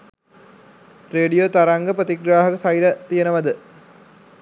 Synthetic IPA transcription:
reːɖijot̪aɾaŋɡəprət̪iɡɾaːɦɐkəsajiɾət̪ijənəʋɐd̪ə

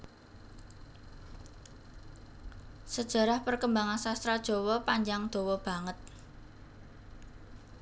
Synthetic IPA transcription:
səd̥ʒ̥ä̤ɾahpərkəmbaŋansast̪ɾad̥ʒ̥o̤wɔpaɲd͡ʒaŋd̪̥o̤wɔb̥ä̤ŋət̪̚

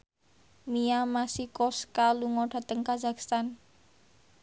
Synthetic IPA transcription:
miamasikɔskaluŋɔɖ̥a̤t̪əŋkazakst̪an

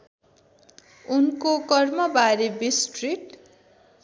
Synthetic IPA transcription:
unkokʌrmʌbaɾebisʈriʈ

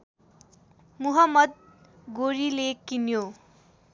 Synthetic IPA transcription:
muɦʌmːʌd̪̚ɡoɾilekinjo

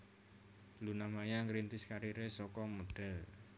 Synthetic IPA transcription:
lunamajaŋɾint̪ɪskaɾiɾesɔkɔmod̪̥ɛ̤l

